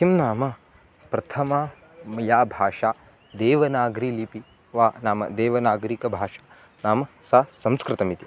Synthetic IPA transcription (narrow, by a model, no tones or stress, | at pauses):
kimnaːmɐ | pɾɐt̪ʰɐma | mɐjaːbʱaːʂaː | d̪eːʋɐnaːɡɾiːlipi | ʋaːnaːmɐ̰d̪eːʋɐnaːɡɐɾikɐbʱaːʂḁː | naːmɐ | saːsɐmskɾɪt̪ɐmit̪i